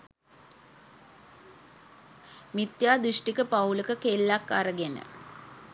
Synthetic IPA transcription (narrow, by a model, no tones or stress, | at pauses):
mit̪jaːd̪uʂʈikəpauləkəkelːakːa̰ɾəɡenə̰